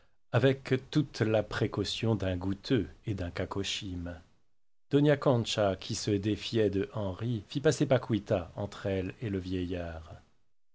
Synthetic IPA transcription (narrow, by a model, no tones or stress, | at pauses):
avɛkt̪ut̪lapχekɔsjɔ̃d̪ɛ̃ɡut̪ʰøed̪ɛ̃kakɔʃim | d̪̥ɔnjakɔ̃nʃakʲʰisəd̪efjɛd̪əʔɑ̃ʁifipasepakwit̪aɑ̃t̪χɛleləvjɛjaːʁ